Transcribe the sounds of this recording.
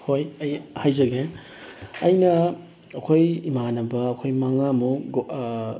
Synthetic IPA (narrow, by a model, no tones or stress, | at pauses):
hojɐjhajzɐɡe | ɐjnɐː | kʰojimanɐbɐːkʰojmɐŋamu